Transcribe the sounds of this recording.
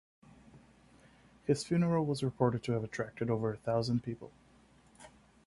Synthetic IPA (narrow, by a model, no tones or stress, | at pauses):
hɪz̥fjʉnə˞əl̩ˠwʌzɹɨpʰɔɹɾɨd̚tʰɨːvətʰɹ̥æk̚tɨɾoʊvə˞ɨθaʊzə̃npʰipə̰l̩ˠ